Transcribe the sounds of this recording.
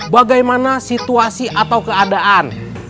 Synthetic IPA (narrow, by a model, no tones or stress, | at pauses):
baɡajmanasit̪uasiʔat̪awkəadaʔan